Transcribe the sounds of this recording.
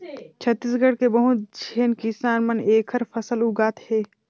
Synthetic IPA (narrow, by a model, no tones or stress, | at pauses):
t͡ʃʰɐt̪ːiːsɡəɽkebəɦut̪̚d͡ʒʱeːnkisaːnmɐneːkʰəɾfʰɐsəluɡaːt̪heː